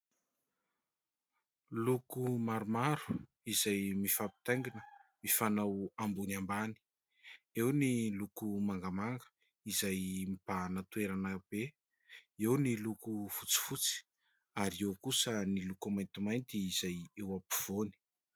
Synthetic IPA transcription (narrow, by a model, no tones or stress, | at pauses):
lukumaɾumaɾu̥ | izajmifapi̥t̪aŋɡinəmifanawambunambani̥ | ewnilukumaŋɡəmaŋɡə̥ | izajmib̥anat̪ueɾanəb̥e | ewnilukuv̥ut͡si̥fut͡si̥ | aɾiewkusənilukumajnt̪imajnt̪iːz̥ajewapi̥v̥oni̥